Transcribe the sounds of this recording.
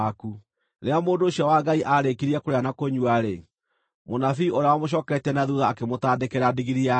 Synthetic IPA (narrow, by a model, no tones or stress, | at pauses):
ku | ɾeamoːndoːɕiawaɡaiʔaɾekiɾiɛkoɾeanakoɲuaɾe | monafiʔoɾeawamoɕ̬ɔːkɛɾɛtɛnaðuðaːkemotaːdekeɾadiɣiɾia